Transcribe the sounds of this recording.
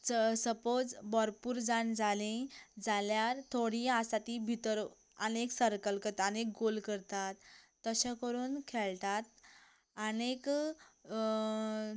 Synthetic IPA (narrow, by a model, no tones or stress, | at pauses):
səpod͡zbɔɾpuːɾd͡zand͡zalĩd͡zaljaɾt̪ʰoɽiasat̪ibʱit̪əɾ | əneksəɾkəlkət̪ənek̚ɡolkəɾt̪at̪ː | əɕãkəɾuːnkʰɛlt̪at̪ | ənek